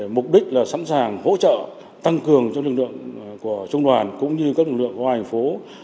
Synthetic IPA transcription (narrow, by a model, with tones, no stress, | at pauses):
mʊ˨˩k͡p̚ɗï˦˥k̟̚laː˨˩sa̰˧˥nsaː˨˩ŋho̰˧˥t͡ɕə̰ː˧˨ | t̪a˧ŋkɨ˨˩əŋt͡ɕŋ͡mlɨ˨˩k̚lɨ̰˧˨əŋku˧˩ət͡ɕə˧wŋ͡mɗwaː˨˩nkʊ̰˧˥ŋ͡mɲɨ˧kaː˦˥k̚lɨ˨˩k̚lɨ̰˧˨ŋkːha˨˩jŋ̟fo˨˦